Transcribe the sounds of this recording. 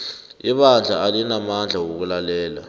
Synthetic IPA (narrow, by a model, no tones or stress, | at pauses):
iɓand͡ɮʱaalinamand͡ɮʱawok̬ulalɛːla̰